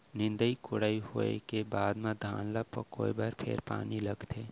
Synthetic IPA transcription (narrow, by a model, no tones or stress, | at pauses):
nɪ̃nd̪əikʰʊɽaːiɦoḛkebaːd̪mẽd̪ʱaːnlapɐ̰koːibaːɾpʰḛɾpa̰ːnilɐɡt̪ʰeː